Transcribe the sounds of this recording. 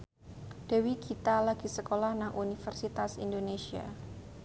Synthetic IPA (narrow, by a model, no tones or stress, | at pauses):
d̥ɛ̤wikʰit̪alaɡ̥i̤səkolahnaŋʔunifərsit̪asḭndonesia̰